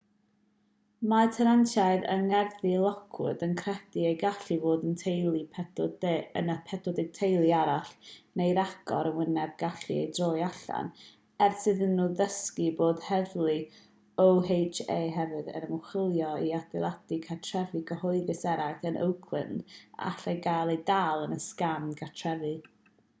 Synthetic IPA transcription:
matʰəɾantʰajðə̰ŋɛrθilˠɔkʰʊ̰dənkʰrɛdiejɡaɬivoːdəntʰejlˠipʰɛdənapʰɛtʰɔdɪɡ̥̚tʰejlˠiaɾaɬnejɾaɡ̥ɔ̰ɾənwɪnɛb̚ɡaɬiḛjdroːjaɬa̰n | ɛrsɨðənːuːðəskiboːd̥hɛvlˠi | owhejt͡ʃeːɦɛvɨðə̰nəmʊχɪlˠjɔiadɛlˠadikʰatʰrɛvɨɡəhɔɨðɨsɛɾaθənʔə̰wkʰlɨ̰nd̥a̰ɬejɡaːlˠejdaːlˠənəskamɡʰatʰrɛvɨ

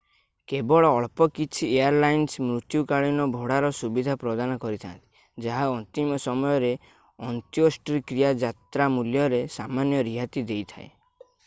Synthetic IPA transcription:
kebɔɭɔːɭpɔkit͡ʃʰieaɾlajnsmɾut̪jukaɭinɔbʱoɽaɾɔsubid̪ʱapɾɔd̪anɔkɔɾit̪ʰa̰nt̪i̥ | d͡ʒaɦaɔnt̪imɔsɔmɔjɔɾe | ɔnt̪iosʈɾikɾijad͡ʒat̪ɾamuljɔɾesamanjɔɾiɦat̪id̪ejt̪ʰa̰ḛ

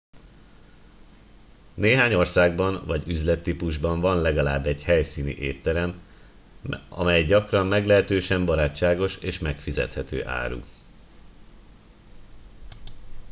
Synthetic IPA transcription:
neːɦaːɲo̞rsaːɡbɒnvɒɟyzlɛt̪ːipuʒbɒɱvɒnlɛɡɒlaːbːɛɟhɛjsiːnḭʔeːt̪ːɛɾɛm | ɒ̰mɛjɟɒkrɒmmɛɡlɛɦɛt̪øːʃɛmbɒɾaːt͡ʃːaːɡo̞ʃeːʃmɛkfizɛ̰t̪hɛt̪ø̰ːʔa̰ːɾṵ

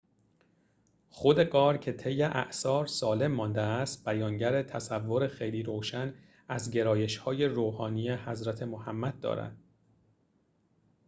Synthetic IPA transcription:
χo̞d̪e̞ɡɒːɾcʰe̞t̪ʰe̞jːeʔæ̰ʔsɒːɾsɒːle̞mːɒːnd̪eæst̪̚b̥æjɒːŋɟæɾet̪ʰæsævːoɾe̞xe̞jliːɾoːʃæn | æzɟe̞ɾɒːje̞ʃhɒːje̞ɾoːhɒːniːjehæzɾæt̪ʰe̞mohæmːæd̪̚ːɒ̰ːɾæ̰nd̪̥

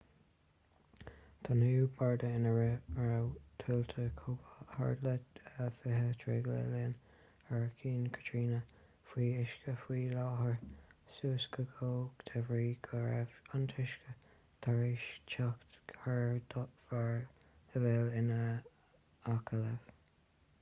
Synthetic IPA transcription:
t̪ʰanuubaɹdəɪnəɹəɹawt̪ʰuːlt̪ʰəkʰuːbəha̰ɹdləəfɪɦət̪ʰɹɛ̰ɡlɛ̰lɪn | əɹkʰiːnkʰə̥tʰɹiːnə | fwiːɪʃkəfwiːlɑːɦəɹsuːskəɡoːɡd̪̥ʰɛvɹiːɡʰəɹɛvant̪ʰɪʃkə | t̪ʰaɹiʃt͡ʃʰakt̪ɡʰaɹd̪vaɹd̥əvɛlɪnə | akʰələv̥

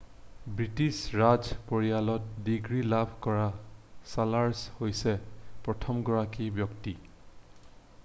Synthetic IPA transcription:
bɹitisɹazpoɹijalɔt̚diɡɹilabʱkɔɹasalaɹshojsɛpɹɔtʰɔmɡɔɹakibjɔkti

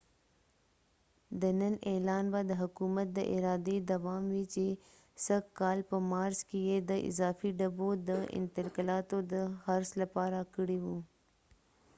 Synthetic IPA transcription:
d̪ənənɛlɑːnbad̪əɦʊkumət̪̚d̪əʔɪ̰ɾɑːd̪ed̪ɐʋɑːmwit͡ʃe | səkkɑːlpəmɑːɾzkejed̪əʔɪ̰zɑːfiɖɐbod̪əʔɪ̰nt̪ɪlkəlɑːt̪od̪əhɐɾslapɑːɾakəɽiwu

